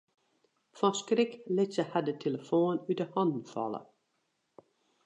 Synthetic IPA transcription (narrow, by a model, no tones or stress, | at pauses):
fɔ̃skrɪklɪsəhadətʰeləfoːnydəhɑndn̩fɑ̰lˠə̰